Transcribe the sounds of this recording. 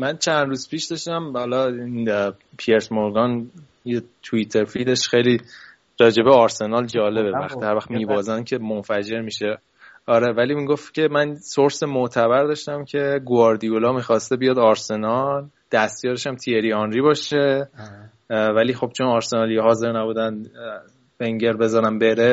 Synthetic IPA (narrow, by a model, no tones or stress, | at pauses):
mænt͡ʃʰænd̪ɾuːz̥pʰiːʃd̪ɒʃt̪æmhɒlɒin | pʰieɾsmoɾɡɒn | jet̪ʰuit̪ʰe̞ɾfid̪e̞ʃxejliː | ɾɒːd͡ʒe̞beɒːɾse̞nɒld͡ʒɒːle̞bevæxt̪ʰihæɾvæxt̪miːbɒːzæncʰe̞monfæd͡ʒe̞ɾmiʃe | ɒːɾevæliːmiːɡo̞ft̪cʲʰe̞mænsoɾsemoʔt̪ʰæβæɾd̪ɒːʃt̪æmcʰe̞ɡoɒɾd̪ijolɒːmiːxɒːst̪ebijɒːd̪ɒɾse̞nɒld̪̥æst̪jɒːɾeʃæmt̪ʰieɾiɒnɾiːbɒːʃe̞ | væliːxo̞b̥̚t͡ʃʰo̞nɒɾse̞nɒːlijeɦɒːze̞ɾnæbuːd̪æn | beŋɟe̞ɾbe̞zɒːɾæmbe̞ɾe